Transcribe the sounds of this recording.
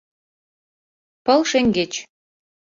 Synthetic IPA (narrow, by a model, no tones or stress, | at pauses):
pɤ̆lʃeŋɡet͡ɕ